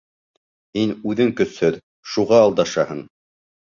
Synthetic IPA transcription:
hinʉðɘŋkɵ̆shɵð | ʃuʁɑːlˠd̪ɑʃɑhɤɴ

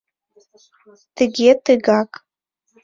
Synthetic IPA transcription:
tʰɨɡʲetʰɨɡakʼ

